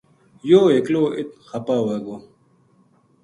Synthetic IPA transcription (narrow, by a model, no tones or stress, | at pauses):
joːekloːʔit̪̚xapaːwaːɡo